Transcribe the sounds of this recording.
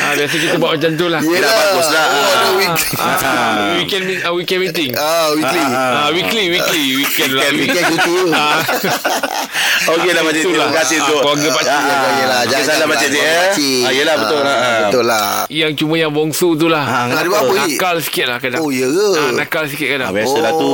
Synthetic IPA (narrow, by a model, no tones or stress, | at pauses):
abias̬ək̬it̪əbaʔmat͡ʃant̪̬ulahlapakʊslakonəwikl | a̰wikɛnmiawikɛnmit̪ɪŋawikliawikliwikliwikɛnlaniiuua | okelamaat̪ulakasɪt̪okaɡəpaalaəsalamat͡ʃat̪̬iiajəlahbət̪ʊlabət̪olajaŋt͡ʃumə̃jaŋbɔŋsut̪̬ulahadibapəikalsi̥kɪt̪̚lahkadaojəəanakals̬ikit̪̚kadabasəlat̪u